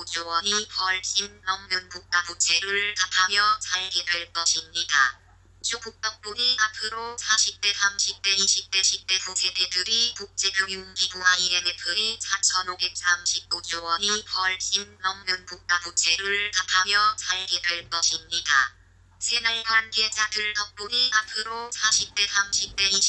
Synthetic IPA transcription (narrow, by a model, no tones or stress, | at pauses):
odowʌɲipʌɭɕinnʌŋmunbk̚k͈ant͡ɕʰe̞ɾɯɭkatʰamjʌt͡ɕʰaɭɡidɯɭk͈ʌɕʰimɲida | t͡ɕobuk̚t͈ʌk̚p͈uniapʰɯɾosʰaɕʰip̚t͈e̞sʰamɕʰip̚t͈e̞iɕʰip̚t͈e̞ɕʰip̚t͈e̞pusʰededɯɾikuk̚t͡ɕ͈e̞ɡoŋjunɡiɡuɦaienepʰɯisʰat͡ɕʰʌnobek̚s͈amɕʰip̚k͈oɲowʌɲipʌɭɕ͈inːʌŋmunbuk̚t͈aɡuk̚t͡ɕ͈ʰe̞ɾɯɭkatʰamjʌsaɭɡiɾɯʌinɲida | sʰe̞naɭhwanɡe̞d͡ʑadɯɭtʌk̚p͈uniapʰɯɾosʰaɕʰip̚t͈e̞sʰamɕʰip̚t͈e̞i